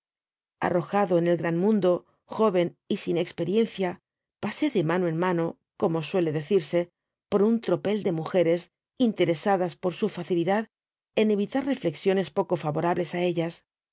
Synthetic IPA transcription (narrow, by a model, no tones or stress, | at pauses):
a̰ro̞xaðo̞ene̞lɣɾanmũnd̪o̞ | xo̞βe̞nisine̞kspe̞ɾje̞n̟θja | pase̞ðe̞manoe̞nmano̞ | ko̞mo̞swe̞le̞ðe̞θiɾse̞ | po̞ɾunt̪ɾo̞pe̞ld̪e̞muxe̞ɾe̞s | int̪e̞ɾe̞saðaspo̞ɾsufaθiliðað | e̞ne̞βit̪arre̞fle̞ksjo̞ne̞spo̞ko̞faβo̞ɾaβle̞sae̞ʎas